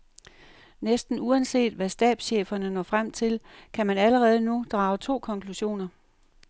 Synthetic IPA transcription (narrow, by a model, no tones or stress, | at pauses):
nesd̥n̩uænse̝̰ːd̥ʋæsd̥ɛ̰ːd̥sɕḛːfɐnənɒ̰ːfʁam̰t͡sʰe̝lkʰæmænæləʁɛːð̞̩ˠnud̥ʁɑ̈ːʊt͡sʰo̝̰ːkʰɒ̽ŋkʰluɕo̝̰ːnɐ